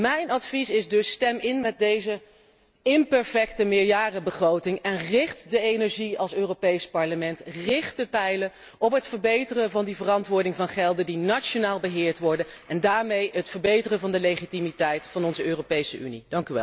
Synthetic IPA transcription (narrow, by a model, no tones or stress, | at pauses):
mɛjnɑtfisɪzdɵstɛmɪnmɛt̚dejzə | ɪmpɛɹfɛk̚təmɪːɹjaːrəbəχrowtɪŋɛnrɪχtdəenɛɹʒiɑlˠsøːropejspɑɹləmɛntrɪχtdəpɛjlə | ɔpɦətfəɹbejtərəvɑndivərɑntʋʊːɹdɪŋvɑnχɛlˠdəndinat͡ʃonaːlˠbəɦɪːɹtʋɔɹdənɛndaːɹmejɦətfəɹbejtərəvɑndəlejχitimitɛjtfɑnɔnzəøːropejsəʔy̰nid̥ɑŋkyʋɛ̰lˠ